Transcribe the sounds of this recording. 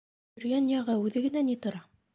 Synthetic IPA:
ɵ̆ɾjænjɑʁɑʉðɘ̆ɡɘ̆nænit̪ŏɾɑ

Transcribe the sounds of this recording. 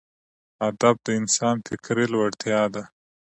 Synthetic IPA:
ad̪ab̚d̪əɪnsɑːnfɪkɾelwaɽt̪jɑːd̪a

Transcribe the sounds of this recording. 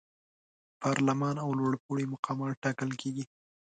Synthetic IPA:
pʰɑɾlamɑnawlwaɽpuɽimʊqʰɑmɑʈɑkəlkʰeɡi

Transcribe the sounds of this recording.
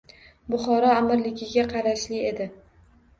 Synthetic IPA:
bʊχɒɾɒamɪɾlɪɡʲɪɡʲaqʰɑɾaʃlɪe̞d̪ɪ

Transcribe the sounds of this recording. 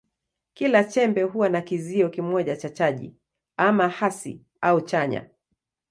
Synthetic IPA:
kilat͡ʃɛmbɛɦuwanakiziɔkimɔʄat͡ʃat͡ʃaʄḭ | amahasḭ | aut͡ʃaɲa̰

